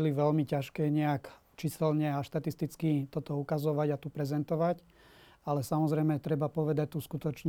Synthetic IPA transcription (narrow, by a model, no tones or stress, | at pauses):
liʋɛlmicaʃkɛːɲɛak | t͡ʃisɛlɲɛaʃt̪at̪ist̪it͡skit̪ɔt̪ɔukazɔʋaɟat̪upɾɛzɛnt̪ɔʋac | alɛsamɔzɾɛjmɛt̪ɾɛbapɔʋɛd̪ac̚t̪uskut̪ɔt͡ʃɲ